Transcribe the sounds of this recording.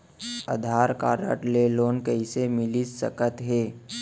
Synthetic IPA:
ə̰d̪ʱaːɾka̰ːɾə̰ʈleloːnkəisemɪlisə̰kət̪ɦeː

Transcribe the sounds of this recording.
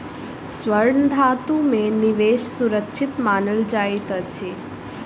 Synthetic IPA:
sʋəɾɳd̪ʱat̪umẽniʋeːʃsuɾəkʃʰɪt̪maːnəld͡ʒajt̪ət͡ʃʰe

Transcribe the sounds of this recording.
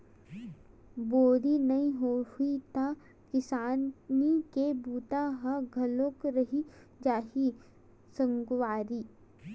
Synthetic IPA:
boːɾinɐɦĩɦohuit̪a | kɪsaːnnikebuːt̪aɦɐɡʱɐlõkɾɐɦi | d͡ʒaːɦi | sə̃ŋɡwaːɾi

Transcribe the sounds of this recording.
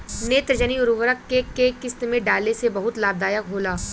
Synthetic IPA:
neːt̪ɾəd͡ʒəniʊɾʋəɾəkːekekɪst̪mẽɖaːlesebɐɦʊt̪laːb̚d̪aːjəkɦoːlaː

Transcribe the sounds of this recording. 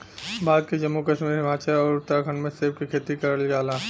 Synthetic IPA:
baːd̪kid͡ʒɐmːukəʃmiːɾɦɪmaːt͡ʃaɾɔːɾʊt̪ːɾaɡʱənmẽseːb̚kikʰeːt̪ikɐɾəld͡ʒaːlaː

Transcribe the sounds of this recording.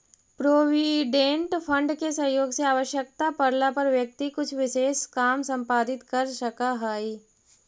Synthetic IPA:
pɾoːʋiɖẽːɳʈpʰə̃ɳɖkesɐ̃ɦjoːɡseaːʋəʃjək̚t̪apɐɾlapɐɾʋjək̚t̪ikʊt͡ʃʰʋɪʃeːʃkaːmsɐ̃mpaːd̪ɪt̪kɐɾʃɐkaɦaːi

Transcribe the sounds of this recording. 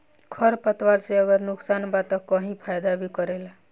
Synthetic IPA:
kʰəɾpət̪waɾseəɡəɾnʊksanbat̪əəɦĩpʰajd̪abʱikəɾela

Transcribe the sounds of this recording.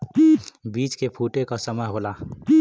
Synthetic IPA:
bit͡ʃkepʰuʈekɔsəməjɦola

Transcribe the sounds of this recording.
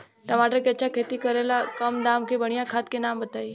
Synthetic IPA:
ʈəʋaːʈəɾkeɐtːt͡ɕʰakʰeːt̪ikəɾelakɐmd̪aːmkʰebɐɽ̃ijãkʰaːt̪kʰenaːmbət̪aːi

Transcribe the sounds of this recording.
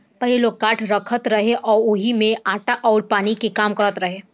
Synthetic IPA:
pɐɦleloːɡ̚kaːʈʰɾɐkʰət̪ɾɐɦeʔɔːɾʊɦimẽaːʈaʔɔːɾpaːnikekaːmkɐɾət̪ɾɐɦeː

